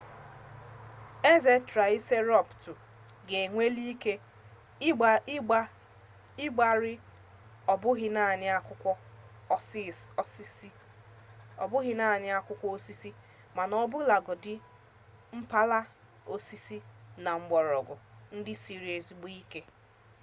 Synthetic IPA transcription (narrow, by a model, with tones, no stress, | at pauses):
e˦ze˦tɾa˨i˦se˦ɾɔ˦ptʊ˨ | ɡe˨ŋʷe˦li˦ke˦ | ɪ˦ɡ͡ba˦ɾɪ˦ | ɔ˨bʊ˦ɦɪ˦na˦˨ɲ˦a˦kʊ˦ɔ˦˨˦ | ɔ˨bʊ˦ɦɪ˦na˦˨ɲɪ˦a˦kʷʊ˦kʷɔ˦o˦si˦si˦ | ma˨nɔ˦bʊ˦la˨ɡʊ˨dɪ˦ | m̩˦pa˦la˦ | o˦si˦si˦na˨ŋ͡m̩˨ɡ͡bɔ˨ɾɔ˨ɡʊ̰˨n̩˦dɪ˦si˦ɾi˨e˨si˨ɡ͡bu˦i˦ke˦